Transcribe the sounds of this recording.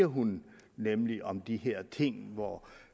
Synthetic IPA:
ɐɦun | nemliʔɒ̽md̥iɦeɐ̰t͡sʰe̝ŋ̰ʋɒ

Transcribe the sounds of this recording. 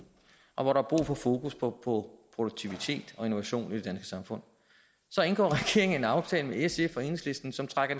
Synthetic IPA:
ʔɒ̽ʋɒɾ̥ɑ̈æb̥ʁṵːfɒ̽fo̝ːkuspʰɒ̽pʰɒ̽pʰʁod̥oɡ̥̚t͡sʰiʋit͡sʰe̝̰ːd̥ɒ̽e̝no̝ʋæɕo̝̰ːnid̥e̝d̥ænsɡ̥ə̥sɑ̈mfɔ̽n̰ | sɒ̽e̝nɡ̥ɒ̰ːʁɛɡ̥e̝ɐ̰eŋ̩enɑ̈ʊt͡sʰɛ̰ːləmeesefɒ̽ensle̝sd̥n̩sɒ̽mt͡sʰʁɑ̈ɡ̥ɐ

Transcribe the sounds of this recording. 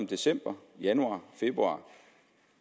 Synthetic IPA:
md̥e̝sem̰b̥ɐjænuɑ̰̈ːfe̝b̥ʁuɑ̈ː

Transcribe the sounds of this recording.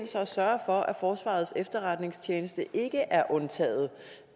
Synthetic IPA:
nsɒsɶɐɐfɒ̽ʔæfɒːsʋɑ̰̈ð̞̩ˠsefd̥ɐʁad̥ne̝ŋst͡ɕʰeːnəsd̥əʔe̝ɡ̥əʔæɐʔɔ̽nt͡sʰɛ̰ːð̞̩ˠ

